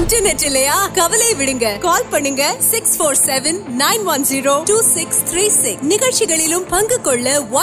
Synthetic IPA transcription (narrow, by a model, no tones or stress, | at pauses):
nʈɐɾnɛʈːɪlːɐjaːkɐʋɐleːʋɪɽɯŋɡɐkaːlpɐɳːɯŋɡɐsɪksfoːɾsɛʋɛnnɐɪnʋɐnziːɾoːʈuːsɪkst̪ʰɾiːsɪknɪɣɐɭt͡ʃɪɣɐɭɪlɯmpɐŋɡɯkːɔɭːɐʋɐ